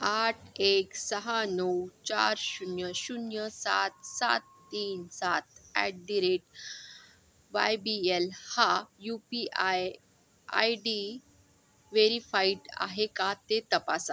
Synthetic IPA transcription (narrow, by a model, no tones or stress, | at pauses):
aʈʰeksəɦanəwt͡ɕaɾɕunjəɕunjəsat̪̚sa̰t̪̚ːiːnsat̪̚æʈ̚ɖiɾeʈ | ʋajbielhajupia | a̰jɖi | ʋeɾifaiʈa̰ɦekat̪et̪əpasa